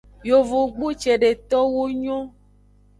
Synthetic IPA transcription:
jo˨vo˨ɡ͡bu˦t͡ʃe˨ɖe˨t̪ɔ˦wo˦ɲɔ̃˦

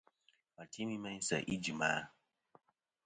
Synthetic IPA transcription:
a˨tʰi˦mi˦ma˦ɲ˦sa̰˨ʔi˦d͡ʒi˨maː˦

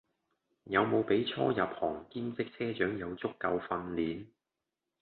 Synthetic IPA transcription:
jɐ˨˧wmo˨˧wpe˨˥jt͡sʰɔ̰ː˥jɐ˨p̚hɔː˨˩ŋkiː˥mt͡sɪ˥k̚t͡sʰɛː˥t͡ʃœː˨˥ŋjɐ˨˧wt͡sʊ˥kːɐ˧wfɐ˧nliː˨˥n

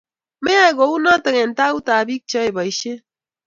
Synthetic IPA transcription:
me˦a˦e˨ɡo˨˦u˦nɔ˦tə˨ŋɛ˨n˨ta˦u˦ta˨bi˦k̚t͡ʃɔ˦e˨bɔ˨i˨ʃe˦

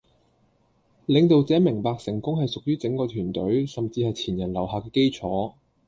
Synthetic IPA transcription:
lɪ˨˧ŋt̪̬o˨wt͡sɛː˨˥mɪ˨˩ŋpaː˨˧k̚sɪ˨˩ŋkʊ˥ŋɦɐ˨jsʊ˨k̚jyː˥t͡sɪ˨˥ŋkɔː˧t̪ʰyː˨˩nt̪ɵ˨˥ɥsɐ˨mt͡siː˧hɐ˨jt͡sʰiː˨˩njɐ˨˩nlɐ˨˩wɦaː˨˧kɛː˧ke˥jt͡sʰɔː˨˥

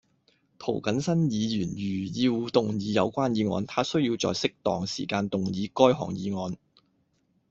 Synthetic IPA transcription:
t̪ʰo˨˩wkɐ˨˥nsɐ˥njiː˨˧jyː˨˩njyː˨˩jiː˧wu˨˧t̪ʊ˨˩ŋjiː˨˧˥jɐ̰˨˧wkʷaː˥njiː˨˧ŋɔ̰ː˧nt̪ʰaː˥sɵ˥ɥjiː˧wt͡sɔ̰ː˨jsɪ˥k̚t̪ɔː˨ŋsḭː˨˩kaː˧nt̪ʊ˨ŋjiː˨˧˥kɔː˥jhɔ̰ː˨˩ŋjiː˨˧ŋɔː˨˧n

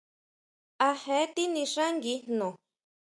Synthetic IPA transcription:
a˧hẽ˨˦t̪i˦nĩ˧ʂã˦ŋɡi˧n̥nõ˨

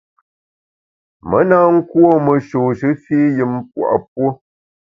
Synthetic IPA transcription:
mə˦na˦ŋ̩˦kwo˦˨mə˨ʃo˨ʃɨ˦fiː˦jɨ˨mp̚wa̰˨ʔp̚wo˦

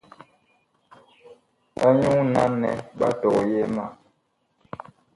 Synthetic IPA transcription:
a˦ɲu˦ŋna˦nɛ̰˨ba̰˦tɔ˨je˦ma˦˨

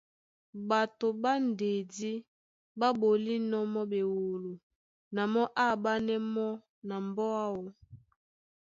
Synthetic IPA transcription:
ba˨to˨ba˦n˨de˨di˦ | ba˦bo˨li˦nɔ˦mɔ˦be˨wo˨lo˨ | na˨mɔ˦ʔa˦˨ba˦nɛ˦mɔ˦ | na˨m˨bɔ˦a˦wɔ˨

